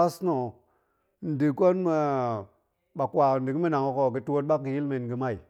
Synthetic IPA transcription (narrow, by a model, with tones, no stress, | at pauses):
a˦sno˨ | n̩˨di˨ko˦nme˨ | ɓa˨kwa˨n˨di˨ki˦me˦na˨ŋo˨ko˨ɡi˨tu˦wo˦t̚ɓa˦kːi˨ji˦lme˨nɡi˨ma˦˨i˨